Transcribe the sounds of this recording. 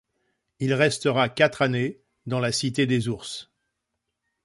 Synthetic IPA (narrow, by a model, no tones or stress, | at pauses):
ilʁɛst̪əʁakʲat̪χane | d̪ɑ̃lasit̪ed̪ezuʁs